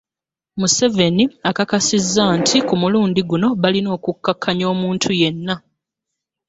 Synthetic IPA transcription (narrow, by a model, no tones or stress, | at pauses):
muse̞ve̞niakakasizːaːntʰikumuluːndiɡuno̞βalino̞ːkukːakʰːaɲo̞ːmuːntʰuje̞nːa